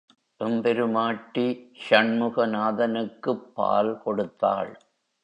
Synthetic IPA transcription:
ʔɪmpɛɾɯmaːʈːiʃɐɳmɯɣɐnaːðɐnɯkːɯpːa̰ːlkɔɽɯt̪ːa̰ːɭ

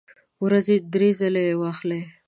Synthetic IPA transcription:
wɾazed̪ɾezalewɑxle

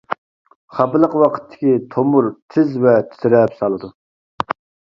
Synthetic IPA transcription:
χɑpɨlˠəqwɑqʰə̥t̪ʰːɪ̥kʲit̪ʰomuɾt̪ʰɪzvɛt̪ʰɪ̥t̪ɪɾɛpsɑlˠɨd̪u

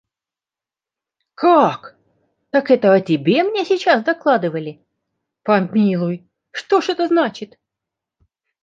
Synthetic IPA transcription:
kʰak | t̪akɛt̪əɐtʲɪbʲe̞mnʲesʲɪt͡ɕasd̪ɐklˠad̪ɨvəlʲɪ | pɐmʲilˠʊj | ʂt̪o̞ʂɛt̪əznat͡ɕɪt̪

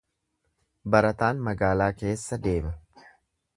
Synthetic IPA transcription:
bɐɾɐt̪aːnmɐɡaːlaːke̞ːsːɐd̪e̞ːmɐ

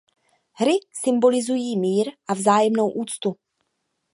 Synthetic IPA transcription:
ɦɾɪsɪmbo̞lɪzujiːmiːɾʔavzaːjɛmno̞wʔuːt͡st̪u

